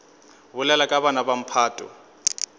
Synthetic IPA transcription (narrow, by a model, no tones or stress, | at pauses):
βʊlalakʼaβanabam̩pʰaːtʼɔ̰